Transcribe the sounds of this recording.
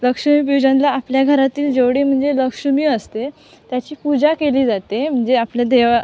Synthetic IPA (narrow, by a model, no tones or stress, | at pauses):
ləkʂəmiːpid͡ʑãnlaːpljaɡʱəɾat̪iːld͡ʑeʋɽiːm̤əɳd͡zeləkʂəmiːəst̪e | t̪jat͡ɕiːpud͡zakeliːd͡zat̪em̤əɳd͡zeapljad̪eʋa